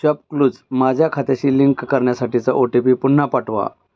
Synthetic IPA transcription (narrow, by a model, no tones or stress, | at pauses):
ɕəp̚kluːd͡zmad͡ʑʱjakʰat̪eɕiːliŋkkəɾɳjasaʈit͡səʔoʈipiːpunːapaʈʰʋa̰